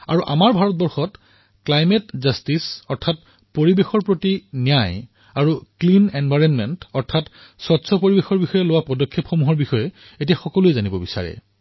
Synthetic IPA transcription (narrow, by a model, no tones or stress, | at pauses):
a̰ɹuʔa̰maɹbʱaɹɔt̚bɔɹxɔt | klajmɛtzastisɔɹtʰat̚ | poɹibexɔɹpɹotinijaj | aɹuklinenbʱajɹɔnmɛntɔɹtʰat | sɔtsʰɔpoɹibexɔɹbixɔjɛlowapɔdɔkʰːepxɔmuɦɔɹbixɔjɛ | etijaxɔkɔluezanibɔbisa̰ɹɛ̰